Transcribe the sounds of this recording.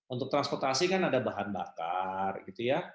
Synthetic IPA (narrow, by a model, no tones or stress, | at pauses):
unt̪ʊk̚t̪ɾanspɔrt̪asikanadabaɦanba̰ka̰rɡit̪uja